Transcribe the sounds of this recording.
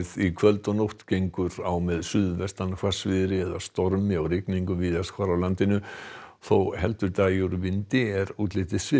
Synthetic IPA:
ðikʰvœlt̪ɔnowht̪cejŋkʏɾawmɛðsʏðvɛst̪ankʰḁsvɪðɾɪɛðast̪ɔɾmɪawɾɪkniŋkʏviːðaskʰvaɾawlant̪ɪnʏθowhɛlt̪ʏɾt̪ajuɾvɪnt̪ɪɾuːt̪lɪt̪ɪsvɪ

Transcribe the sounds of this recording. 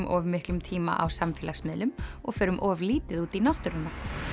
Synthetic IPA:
mʔɔːvmɪhklʏmt̪ʰiːma̰ʔawsamfɪːlasmɪːðlʏmɔɣfœːɾʏmʔɔːvliːt̪ɪðuːt̪inawht̪ʏɾʏnːa

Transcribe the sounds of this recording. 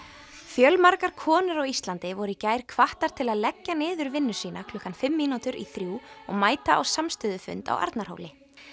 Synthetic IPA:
fjœlmaɾkaɾ̥kʰɔːnɪɾɔɣist̪lant̪ɪvɔɾʏicaːjɾ̥kʰvaht̪aɾ̥t̪ʰɪlaðlɛcːanɪːðʏɾvɪnːʏ̥siːnakʰl̥ʏhkanfɪmːiːnut̪ʏɾʔḭθɾjuːɔ̰ɣmaːjt̪aʔa̰wsamst̪ʏðʏfʏ̰nt̪a̰wʔa̰ɾt̪naɾ̥o̰wlɪ

